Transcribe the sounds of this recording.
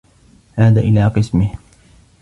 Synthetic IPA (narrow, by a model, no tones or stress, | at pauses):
haːða̰ːʔɪlaːqɨsmɪh